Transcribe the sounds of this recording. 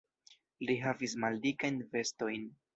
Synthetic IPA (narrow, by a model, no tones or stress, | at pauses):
liɦavis̬maldikajnve̞sto̞jn